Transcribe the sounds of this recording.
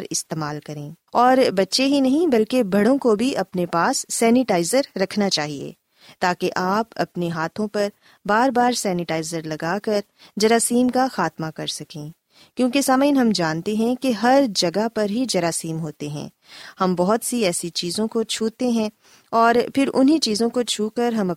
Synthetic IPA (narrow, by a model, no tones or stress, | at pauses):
ɾɪst̪eːmaːlkɐɾẽː | ɔːɾbɐtːʃeɦinɐɦĩbɐlkebʱɐɽõkobʱiʔɐpnepaːsːɛːnɪʈaːɪzəɾːɐkʰnat͡ʃaːɦiḛ | t̪aːkeʔaːpɐ̰pneɦaːt̪ʰõpɐɾ | baːɾbaːɾsɛːnɪʈaːɪzəɾlɐɡaːkɐɾ | d͡ʒɐɾaːsiːmkaxaːt̪makɐɾsɐkĩː | kjõːkesaːmaɪnɦɐmd͡ʒaːnt̪eɦɛ̃keɦɐɾd͡ʒɐɡapɐɾɦid͡ʒɐɾaːsiːmɦoːt̪eɦɛ̰̃ː | hɐmbɔɦʊt̪siɛːsit͡ʃiːzõkot͡ʃʰuːt̪eɦɛ̃ | ɔːɾfɪɾʔʊ̰nɦit͡ʃiːzõkot͡ʃʰuːkɐɾɦɐmɐ